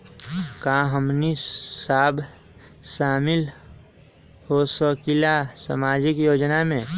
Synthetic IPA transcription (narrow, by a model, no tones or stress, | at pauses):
kaɦəmnisaːbʱ | saːmɪl | hosəkilasa̰maːd͡ʒɪkjoːd͡ʒnamẽ